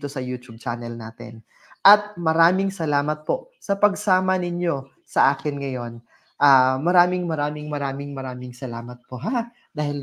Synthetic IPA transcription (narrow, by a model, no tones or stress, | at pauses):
t̪o̞sɐjuːt̪ub̚t͡ʃanɛlnaːt̪ɛ̰n | ʔɐt̪̚mɐɾaːmɪŋsɐlaːmɐt̪̚po̞ʔ | sɐpɐɡsaːmɐnɪɲjo̞ | sɐʔaːkɪnŋɐjo̞n | ʔaːmɐɾaːmɪŋmɐɾaːmɪŋmɐɾaːmɪŋmɐɾaːmɪŋsɐlaːmɐt̪̚poɦa | d̪aːhɪl